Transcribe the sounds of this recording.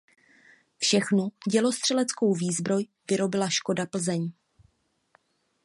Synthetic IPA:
fʃɛxnuɟɛlo̞st̪r̝̥ɛlɛt͡sko̞wviːzbɾo̞j | vɪɾo̞bɪlaʃko̞dapl̩zɛɲ

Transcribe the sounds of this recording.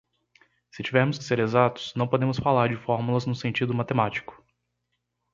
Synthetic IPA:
sɪt͡ʃivɛɾmʊskɪ̥seɾezat̪ʊ̥snɐ̃w̃pod̪ẽmʊsfalaɾd͡ʒɪfɔɾmulɐznʊsẽnt͡ʃid̪ʊmat̪emat͡ʃi̥kʊ̥

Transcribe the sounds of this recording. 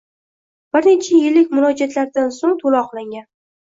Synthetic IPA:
b̥ɪɾnet͡ʃʰajɪlːɪkʲmʊlˠɒd͡ʒat̪laɾd̪ansoŋt̪ʰolɒqlˠaŋɡʲan

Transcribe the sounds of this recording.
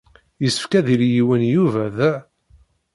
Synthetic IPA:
jəsːə̥fkæðiɾjiwənjuvæð

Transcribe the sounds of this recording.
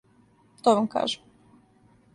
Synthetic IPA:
t̪oʋamka̰ːʒɛ

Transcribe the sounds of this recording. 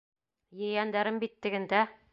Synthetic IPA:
jɘ̆jænd̪æɾɘmbit̪ːɘ̆ɡɘ̆nd̪æ

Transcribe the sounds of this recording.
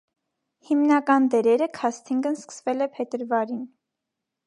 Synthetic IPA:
himnɑkɑnd̪ɛɾɛɾəkʰɑst̪ʰiŋɡənskə̥svɛlɛpʰɛt̪əɾvɑɾin

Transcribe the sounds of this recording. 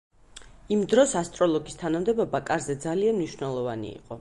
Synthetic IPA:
imd̪ɾɔsast̪ʼɾɔlˠɔɡist̪ʰanamd̪ɛbɔbakʼaɾzɛd̪zalianmniʃwnɛlˠɔvanḭḭqʼɔ

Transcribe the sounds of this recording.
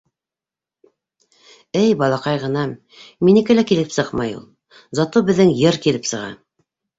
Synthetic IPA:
ɘjbɑlˠɑqɑjʁɤ̆nɑm | minĭkɘlækilɘpsɤqmɑjṵlˠ | zɑt̪ubɘ̆ðːɘŋjɤɾkilɘpsɤ̆ʁɑ̰

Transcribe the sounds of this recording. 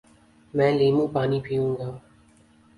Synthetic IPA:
mɛ̃ːleːmũːpaːnipʰijũːŋɡaː

